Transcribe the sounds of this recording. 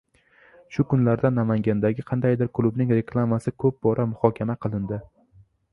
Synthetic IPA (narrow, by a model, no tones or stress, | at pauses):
ʃʊkʊnlaɾd̪anːamaŋɡʲand̪aɡʲɪqʰɑnd̪ajd̪ɪɾkʰʊlˠʊbnɪŋɾe̞kʰlˠamasɪkʰɵp̚bɒɾʔamʊhɒkʲʰamaqʰɨlˠɪnd̪ɪ